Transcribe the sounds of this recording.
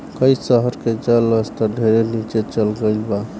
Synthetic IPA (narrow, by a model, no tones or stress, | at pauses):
kəjsəɦəɾked͡ʒələst̪ɔɖʱeɾenit͡ʃet͡ʃəlɡəɪlba